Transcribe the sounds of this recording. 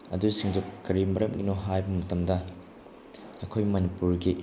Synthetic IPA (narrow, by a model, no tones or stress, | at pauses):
ɐ̰dusiŋdukɐɾimɐɾɐmɡinoɦajbɐmɐtɐmdɐ | ɐkʰojmɐnipuɾɡi